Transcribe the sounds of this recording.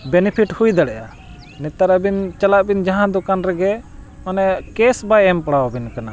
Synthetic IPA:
bɛnɛpʰiʈhujd̪aɽɛʔa | nɛt̪aɾabint͡ʃalaʔbind͡ʒaɦãd̪ɔkanɾɛɡɛ | ɔnɛkɛsbajɛmpaɽawabinkana

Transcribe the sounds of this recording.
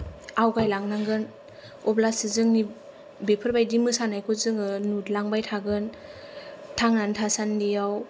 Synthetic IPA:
awɡajlaŋnaŋɡɯn | ɔplasɯzɯŋni | bepʰɯɾbajdimɯsanajkʰozɯŋɯnutlaŋbajtʰaɡɯn | tʰaŋnantʰasandijaw

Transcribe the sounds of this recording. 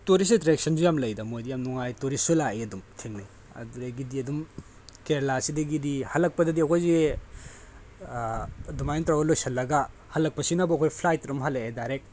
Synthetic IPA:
toɾis̬itɾek̚sɐnsujamlɐjdɐmojdijamnuŋajtoɾisulaeɐdumtʰeŋni | ɐ̰duɾɐɡidiɐdum | keɾlasidɐɡidihalːɐk̚pɐdɐdiɐkʰojze | dumajntɾawɐlojsɐlːɐɡɐ | halɐk̚pɐsinɐbɐɐkʰojpʰlajtɾumɦalɐedaɾek̚

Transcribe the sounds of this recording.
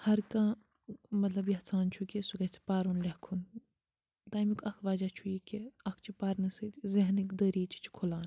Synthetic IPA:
hɐɾkãː | mɐt̪lɐbjɐhsaːnt͡ʃʰukʲesuɡɐt͡sʰi̥paːɾunlʲɐhkʰun | d̪aːjmikɐkʰʋaːd͡ʒaːt͡ʃʰujikeɐkʰt͡ʃʰipaːɾnɨsɨt̪zɐɦnikd̪ɐɾiːt͡ʃʰi̥t͡ʃʰi̥kʰulaːn

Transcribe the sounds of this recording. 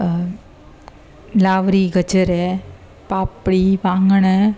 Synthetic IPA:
laːʋɾiɡɐt͡ʃɐɾe | paːpːɐɽiʋaːŋɡɐɳɐ

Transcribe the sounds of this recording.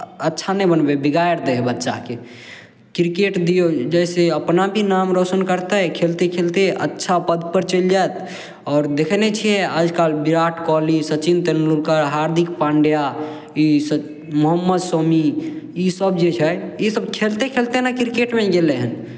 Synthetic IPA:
ətːʃʰanɛbənbebiɡajəɾd̪eɦbətːʃa̰ke | kɾikeʈd̪ijod͡ʒɛɪseəpnabʱinamɾosənkəɾt̪əkʰelt̪ekʰelt̪eʔə̰tːʃʰapəd̪pəɾt͡ʃəld͡ʒaet̪ | ɔːɾd̪ekʰnet͡ʃʰijeaːd͡ʒkalbiɾaʈʰkɔlisət͡ʃint̪enlulkəɾɦaɾd̪ʱikpãɳɖja | is | məɦəmːəd̪somiisəbd͡ʒet͡ʃʰɛisəbkʰelt̪ekʰelt̪enakɾikeʈmeɡeleɦən

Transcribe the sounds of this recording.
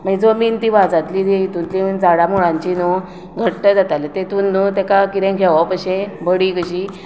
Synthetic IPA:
maɡid͡zomint̪iʋad͡zat̪lid̪eit̪unt̪liənd͡zaɽamuɭãɲt͡ɕino | ɡʱəʈʈəd͡zat̪alet̪et̪unːut̪ekakiɾẽkʰeʋapəɕẽbʱəɽikəɕiː

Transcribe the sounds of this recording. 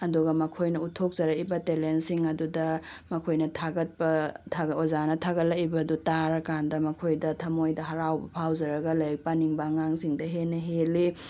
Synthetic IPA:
ɐduɡɐmɐkʰojnɐutʰok̚z̥ɐɾɐkibɐtelensiŋɐdudɐmɐkʰojnɐtʰaɡɐt̚pɐtʰaɡozanɐtʰaɡɐt̚lɐibɐdutaɾɐkandɐmɐkʰojdɐtʰɐmojdɐɦɐɾawbɐpʰawzɐɾɐɡɐlɐjɾɐk̚paniŋbɐŋaŋsiŋdɐɦenɐɦeli

